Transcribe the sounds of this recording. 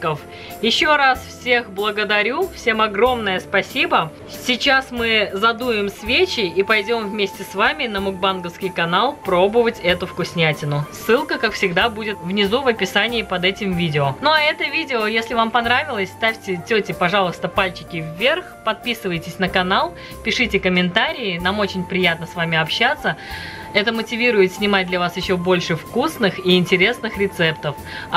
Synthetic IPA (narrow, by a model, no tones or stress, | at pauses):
kəf | jɪɕːoɾasfsʲe̞xblˠəɡəd̪ɐɾʲufsʲe̞mɐɡɾo̞mnəjəspɐsʲibə | sʲɪt͡ɕasmɨzɐd̪uɪmsvʲet͡ɕɪipɐjdʲo̞mvmʲesʲtʲɪsvamʲɪnəmʊɡ̚banɡəfskʲɪjkɐnalˠpɾo̞bəvətʲɛt̪ʊfkʊsʲnʲætʲɪnʊsːɨlˠkəkakfsʲɪɡd̪abudʲɪt̪vnʲɪzuvɐpʲɪsanʲɪːpɐd̪ɛtʲɪmvʲidʲɪonuɐɛt̪əvʲidʲɪojesʲlʲɪvampɐnɾavʲɪlˠəsʲst̪afʲtʲɪtʲɵtʲɪpɐʐalˠəst̪əpalʲt͡ɕɪ̥kʲɪvːʲerxpɐt̪̚pʲisɨvəjtʲɪsʲnəkɐnalˠ | pʲɪʂɨtʲɪkəmʲɪnt̪aɾʲɪɪnamo̞t͡ɕɪnʲpɾʲɪjat̪̚nəsvamʲɪɐpɕːat̪sːə | ɛt̪əmətʲɪvʲiɾʊjɪt̪sʲnʲɪmat̚ʲd̪lʲɐvasjɪɕːobo̞lʲʂɨfkusnɨxiɪnʲtʲɪɾʲe̞snɨxɾʲɪt̪sɛpt̪əf